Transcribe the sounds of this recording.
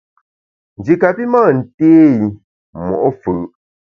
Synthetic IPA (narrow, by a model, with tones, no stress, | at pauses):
n̩˨d͡ʒi˨ka˨pi˦maː˦˨n̩˨teː˦˨ | mɔ̰˨ʔɔ˦fɯ˨ʔ